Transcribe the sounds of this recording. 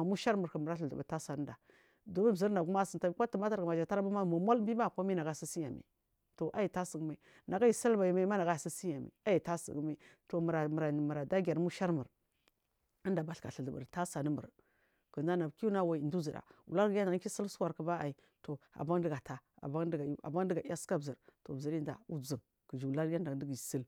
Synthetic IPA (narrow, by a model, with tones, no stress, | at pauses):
a˨mu˦ʃa˦ɾmu˨ɾkə˨mə˨ɾa˦ɬə˨ə˨bə˨ta˦sa˨nə˦da˨ | do˨˦mi˦bzə˦ɾnda˨ɡu˦ma˦sə˨nta˦kʷa˦tə˨ma˦ta˨ɾma˨d͡ʒa˨ta˦ɾbu˦ma˦˨mo˨ma˦lbi˦ma˦˨kʷa˦mi˦na˨ɡa˦˨si˦si˦ja˨mḭ˨ | to˨ʔa˦ji˨ta˦sə˨ɡma˨i˨ | na˨ɡa˦ji˨sa˦lba˨ji˨ma˨i˦ma˦na˨ɡa˦˨si˦si˦ja˨mḭ˨a˦ji˨ta˦sə̰˨ɡma˦to˨m˨ɾa˨mə˨ɾa˨mə˨ɾa˨da˦ɡʲa˨ɾmu˦ʃa˦ɾmə˨ɾ | ə˦nda˨ba˨ɬka̰˨ɬə˨ɮə˨bə̰˨ɾta˦sa˨nə˦mə̰˨ɾ | kə˨a˦na˨ki˦u˦na˦wa˨i˨ndu˦zi˨da̰˨u˨la˦ɾɡjn˨a˨˦i˦sə˦lsu˦wa˨ɾkə˦ba˦a˨i˨ | to˨a̰˨ba˦ŋ˦də˦ɡa˨ta˦a̰˨ba˦dɡa˨u˦a̰˨ba˦də˦ɡa˨i˦a˦ska˦bzə˨ɾto˨bzi˨ɾi˦nda̰˨u˦d͡zə˨ŋ | kə˨d͡ʒi˨u˨la˦ɾja˦nda˨˦də˦ɡi˨sə˦l